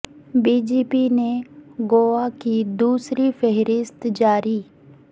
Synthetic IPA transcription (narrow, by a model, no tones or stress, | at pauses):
biːd͡ʒeːpiːneɡoːaːkid̪uːsɾifʰɛɦɾɪst̪d͡ʒaːɾiː